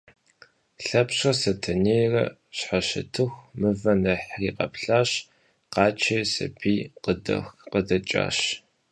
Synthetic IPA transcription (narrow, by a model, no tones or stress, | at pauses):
ɬɐpɕɐsɐtʰɐneːrɐ̰ | ɕħaʃɐ̰tʰɨxʷmɨvɐnɐħriːqɐ̰pɬaːɕ | qɑːt͡ʃʰejsɐ̰biːqədɐ̰xqədɐt͡ʃʼa̰ːɕ